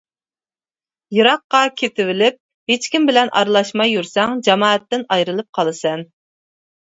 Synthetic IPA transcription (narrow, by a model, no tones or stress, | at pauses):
jɨɾɑqːɑkʲʰet̪ʰɪvɪlɪp̚ | het͡ʃkʲimbɪlɛnʔɑ̰ɾlˠɑʃmɑjːuɾsɛŋd͡ʒɑmɑːɛt̪ːɪnɑjɾɨlˠɨp̚qʰɑlˠɨsɛn